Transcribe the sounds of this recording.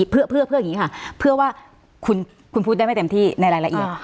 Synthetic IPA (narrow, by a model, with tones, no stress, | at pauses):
pʰɯ˥˩əpʰɯ˥˩pʰɯ˥˩jŋi˦˥kʰa˥˩pʰɯ˥˩waː˥˩ | kʰu˧n | kʰu˧npʰuː˥˩da˥˩m˥˩t̪e˧mt̪ʰiː˥˩na˧jɾaː˧jla˧ʔi˨˩ə